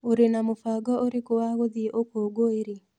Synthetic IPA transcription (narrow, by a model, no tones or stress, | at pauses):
oɾenamofaɡɔʔoɾekowawod̪iʔokoɡoeɾi